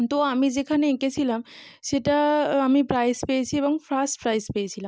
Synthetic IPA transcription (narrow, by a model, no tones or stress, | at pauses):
t̪oamid͡ʑekʰaneeket͡ɕʰilamʃeʈaamipɾajspejet͡ɕʰiebɔŋpʰɾasʈpɾajspejet͡ɕʰila